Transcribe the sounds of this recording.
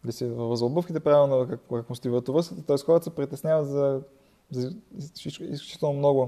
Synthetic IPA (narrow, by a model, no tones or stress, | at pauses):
lisivvəzlˠobɤfkʲit̪ɛpɾavilˠnokakkakost̪ivət̪ovɤsət̪t̪ɔɛsxɔɾət̪sɛpɾit̪ɛsnʲavət̪zɐ | zɐisiḭsklʲu̥t͡ʃi̥t̪ɛlˠnomnɔɡʊ